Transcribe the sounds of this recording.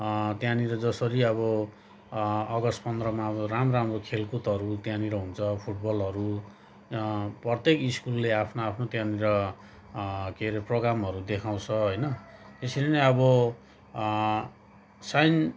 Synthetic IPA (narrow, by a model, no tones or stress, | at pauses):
t̪jãniɾʌd͡zʌsʌɾiʌbʌ | ʌɡʌspʌnd̪rʌmaʌbʌramramrokʰelkut̪ʌɾut̪jãniɾʌɦunt͡sʰʌpʰuʈ̚bʌlʌɾu | prʌt̪ekiskulːeapʰnoapʰnot̪jãniɾʌ | keɾeproɡɾamʌɾud̪ekʰaw̃t͡sʰʌɦojnʌt̪esileneʌbʌ | sajn